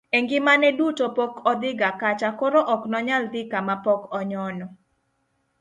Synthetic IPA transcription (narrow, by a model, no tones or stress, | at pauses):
eŋɡɪmanɛdutopɔkɔd̪ɪɡakat͡ʃakoɾoʔɔknɔɲald̪ɪkamapɔkɔɲɔnɔ